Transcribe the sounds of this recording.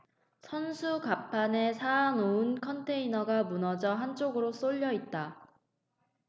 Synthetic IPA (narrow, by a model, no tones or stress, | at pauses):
sʰʌnsʰukapʰane̞sʰaːnoɯnkʰʌntʰe̞inʌɡamunʌd͡ʑʌɦant͡ɕ͈oɡɯɾos͈oʎːʌit̚t͈a